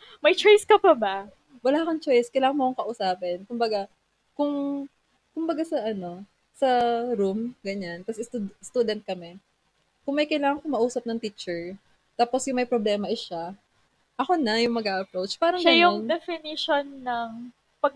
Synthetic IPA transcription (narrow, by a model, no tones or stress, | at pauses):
mɐjt͡ʃojskɐpɐbɐ | wɐlaːkɐŋt͡ʃo̞jskɐjlaːŋɐnmokoŋkɐʔʊsaːpɛnkʊmbɐɡa | kʊŋ | kʊmbɐɡasɐʔɐno̞ | sɐɾumɡɐɲank̪ɐsɛst̪ud̪st̪uːd̪ɛnt̪̚kɐmɛ | kʊŋmɐjkɐjlaːŋɐŋkʊmɐʔuːsɐp̚nɐŋt̪it͡ʃɛɹ | t̪aːposjʊŋmɐjpɾoblɛːmɐʔɪʃa | ʔɐko̞nɐjʊŋmɐɡʔaʔɐpɾowt͡ʃpaːɾɐŋʃjʊŋnd̪ɛfɪnɪʃonːɐŋ | pɐɡ̚